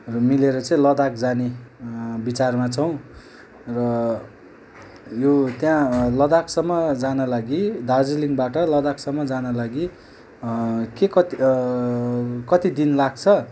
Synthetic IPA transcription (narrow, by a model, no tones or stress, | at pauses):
rʌmileɾʌt͡sʌĩlʌd̪akd͡zane | bit͡sarmat͡sʰʌw̃ | rʌ | jot̪jãlʌd̪aksʌmːʌd͡zanalaɡid̪ad͡ziliŋbaʈʌlʌd̪aksʌmːʌd͡zanʌlaɡi | kekʌt̪ | kʌt̪id̪inlaɡ̚t͡sʰʌ